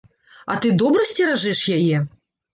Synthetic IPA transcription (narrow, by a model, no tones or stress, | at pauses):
ɐ̰t̪ɨd̪ɔbɾɐsʲt͡sʲɛɾaʐɨʂjajɛ